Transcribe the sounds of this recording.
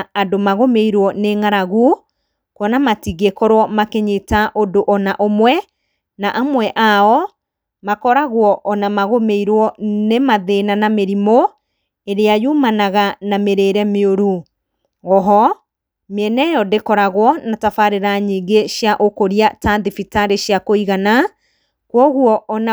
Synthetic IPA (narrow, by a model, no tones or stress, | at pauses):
adomaɣomeiɾwɔneŋaɾaɣu | kwɔnamatiɣekɔɾwɔmakeɲetaʔodoʔɔnaʔomwɛ | naʔamwɛʔaɔ | makɔɾaɣwɔʔːnamaɣomeiɾwɔnemaðenanameɾimo | eɾeajumanaɣanameɾeɾɛmeoɾu | ɔɦɔ | meɛnɛjɔdekɔɾaɣwɔnatafaɾeɾaɲiːɡeʃjaʔokoɾiataðifitaɾeɕjakoiɣana | kwɔɣwɔːna